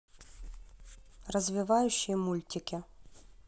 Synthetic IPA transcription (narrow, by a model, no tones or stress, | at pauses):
rɐzʲʋʲɪʋɑjʊʃːijmulʲtʲɪkʲɪ